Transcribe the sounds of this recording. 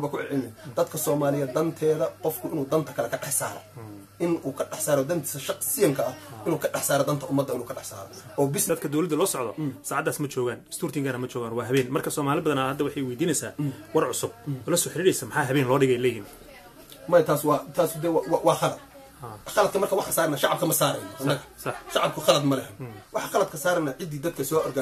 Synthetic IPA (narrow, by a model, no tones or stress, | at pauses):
bɐkʰʊʕɛʕɪnɛd̪ɐd̪kʰɐsɔːmaːlɪjɛd̪ɐnt̪ʰɛːðɐqɔfkʰʊɪnuːd̪ɐnt̪ʰɐkʰɐlɛkʰɐɖɑħsa̰ːɾɔ̰ | ʔɪnuːkʰɐɖɑħsaːɾɔd̪ɐnt̪ʰɐʃɑqsɪjɐŋkʰɐɐɪnuːkʰɐɖɑħsaːɾɔd̪ɐnt̪ʰɐʔʊmːɐd̪ːɐɪnuːkʰɐɖɑħsa̰ːɾɔ̰ʔɔːbɪsd̪ɐd̪̚kʰɐd̪ɔwlɐd̪ːɐlɔːsɔʕd̪ɔ̰saːʕɑd̪ːaːsmɐt͡ʃɔːɣaːnst̪uːrt̪ʰɪŋɡʰaɾɐmɐt͡ʃɔːɣaːnwɑːɦɐβɛːnmɐrkʰɐsɔːmaːlɪbɐðɐnahɐd̪ːɐwɑħɑjwɛjd̪iːnɛjsaːwɑrʕʊsʊb̚ɔːlɐsɔːħɪɾɪɽɛjsɐmɐħɑːɦɐβɛːnlɔːɖɪɣɛjlɛːjim | mɐjɐt̪ʰaːswɑːt̪ʰaːsʊd̪ɛwwɑwɑːxɑlɐd̪̚ | haχɑlɐd̪kʰɐmɐrkʰɐwɑħasaːɾnaʃɑʕɑb̚kʰɐmɐsaːɾɛjnɐhɐnːɐɣɐsħʃɑʕɑb̚kʰʊxɑlɐd̪mɐlɛɦɛnwʔɑħɑxɐlɐd̪kʰɐsaːɾɐnːaʕɪd̪iːd̪ɐd̪̚kʰɐsɔːʔɔrɡɐ